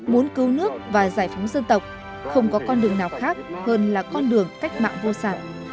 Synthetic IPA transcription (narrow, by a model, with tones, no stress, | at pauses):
mu˨˦ənkɨ˨˦wnɨ˦˥ək̚vaː˨˩zaː˧˩jfɔ˨˦wŋ͡mzə˧nt̪ə˨˩wk͡p̚ | xə˧wŋ͡mkɔ˨˦kɔ˧nɗɨ˨˩əŋnaː˨˩wxaː˦˥k̚həː˧nlaː˨˩kɔ˧nɗɨ˨˩əŋka˦˥jk̟̚ma̰ː˧˨ŋvo˧saː˧˩